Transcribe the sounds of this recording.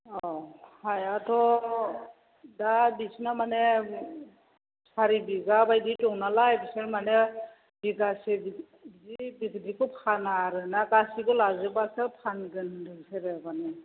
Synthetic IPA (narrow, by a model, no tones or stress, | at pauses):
ɔhajatʰɔ | dabisnamane | saɾibiɡabajditɔŋnalaepʰiselmane | biɡasebi | dibikdikʰɔpʰanaɾɯnaɡasiɡɔlazɯbasɯpʰanɡɯndɯseɾɯabane